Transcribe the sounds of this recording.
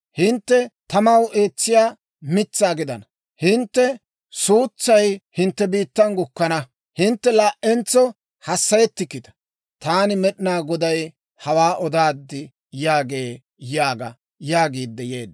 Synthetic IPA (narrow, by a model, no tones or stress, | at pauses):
hɪnt̪ːɛt̪ɐmɐwe̞ːt͡sːɪjaː | mɪt͡sːaːɡɪd̪ɐnɐ | hɪnt̪ːɛ | suːt͡sːɐjhɪnt̪ːɛbiːt̪ːɐnɡʊkːɐnɐ | hɪnt̪ːɛlaːʔɛnt͡sːɔ | hɐsːɐjɛt̪ːɪkːɪt̪ɐ̥ | t̪aːnɪmɛɗɪnaːɡɔd̪ɐj | hɐwaːʔɔd̪aːd̪ːɪ | jaːɡe̞ː | jaːɡɐ | jaːɡiːd̪ːɛjeːd̪